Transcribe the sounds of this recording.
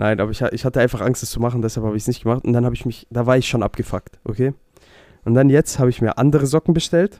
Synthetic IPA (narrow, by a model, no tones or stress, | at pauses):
nʔaɪnʔaːbɐɪçaʔɪçhatəaɪnfaχʔaŋstɛst͡sumaχn̩dɛshalphaːbəɪçsnɪçt̚ɡ̥əmaχtʊntd̥anhaːbəɪçmɪçd̥aːvaːɐɪçʃoːnʔa̰p̚ɡ̥əfaktʔo̰kʰeː | ʔʊntd̥anjɛt͡sthaːbəɪçmiːɐʔandəʁəzɔkŋ̩bəʃtɛlt